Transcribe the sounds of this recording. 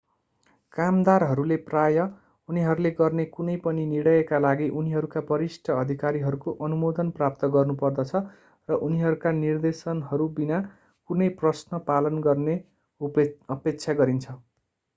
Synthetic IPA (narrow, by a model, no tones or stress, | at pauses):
kamd̪arɦʌɾuleprajʌ | uniɦʌɾuleɡʌrnekunʌjpʌniniɽʌjekalaɡiʔuniɦʌɾukabʌɾisʈʰʌʌd̪ʱikaɾiɦʌɾukoʔʌnumod̪ʌnprap̚t̪ʌɡʌrnupʌrd̪ʌt͡sʰʌ | rʌʔuniɦʌɾukanird̪esʌnɦʌɾubina | kunʌjprʌsnʌpalʌnɡʌrne | ʌpek̚t͡sʰaɡʌɾint͡sʰʌ